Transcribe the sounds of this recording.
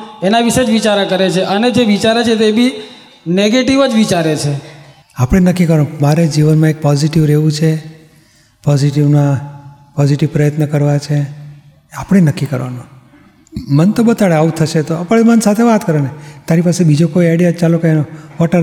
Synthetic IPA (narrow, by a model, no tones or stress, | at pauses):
enaʋiʃed͡ʒʋit͡ʃaɾakəɾet͡ʃʰeʔəned͡ʒeʋit͡ʃaɾet͡ʃʰet̪ebi | neɡeʈiʋəd͡ʒʋit͡ʃaɾet͡ʃʰe | apɽ̃enəkːikəɾʋanmaɾed͡ʒiʋənmãek̚pɔziʈiʋɾeʋũt͡ʃʰe | pɔziʈiʋnã | pɔziʈiʋpɾəjət̪nəkəɾʋat͡ʃʰe | apɽ̃enəkːikə̰ɾʋa̰nũ | mənt̪obət̪aɭeaʋut̪ʰəʃet̪oapəemənsat̪ʰeʋat̪kəɾenet̪aɾipasebid͡ʒokoiɛɽijat͡ʃalokanoʋɔʈəɾ